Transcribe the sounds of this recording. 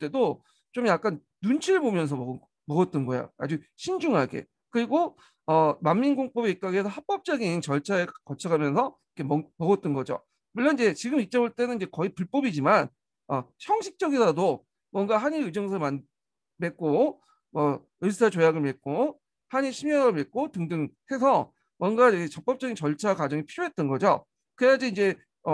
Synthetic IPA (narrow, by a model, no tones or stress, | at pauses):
t͈edo | t͡ɕomjak͈an | nunt͡ɕʰiɾɯɭbomjʌns̬ʰʌmʌɡ | mʌɡʌt̚t͈ʌnɡʌjo̰a̰d͡ʑuɕʰind͡ʑuŋɦaɡe̞̰ | kɯɾiɡo | ʌmamːinɡoŋp͈ʌbeik͈aɡiesʰʌhap͈ʌp̚t͡ɕ͈ʌɡint͡ɕʌɭt͡ɕʰaekʌt͡ɕʰʌɡamjʌnsʰʌikʰemʌmʌɡʌt̚t͈ʌnɡʌd͡ʑo̰ | muɭːʌnid͡ʑe̞t͡ɕiɡɯmit͡ɕ͈ʌmuɭt͈e̞nɯnid͡ʑe̞kʌipuɭp͈ʌbid͡ʑiman | ʌçʰʌŋɕʰik̚t͡ɕ͈ʌɡisado | mwʌnɡaɦaɲiɾɯd͡ʑʌŋsʰʌɭman | me̞k͈o | mʌ | ɯɭs̬ʰɯsʰat͡ɕojaɡɯɭmek͈o | haɲiɭɕʰimjʌɯɭmek͈otɯŋdɯŋhe̞sʰʌ | mwʌnɡaeket͡ɕʌk̚p͈ʌp̚t͡ɕ͈ʌɡint͡ɕʌɭt͡ɕʰakwad͡ʑʌŋipʰiɾjoɦe̞t͈̚ʌnɡʌd͡ʑo̰ | kɯejad͡ʑiind͡ʑe̞ | ʌ